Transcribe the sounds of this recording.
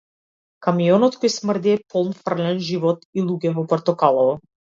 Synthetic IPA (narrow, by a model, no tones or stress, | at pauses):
kamiɔnɔt̪kɔjsmr̩d̪iɛpʰɔlˠnfr̩lɛnʒivɔt̪ilˠuɡɛvɔpɔɾt̪ɔkalˠɔvɔ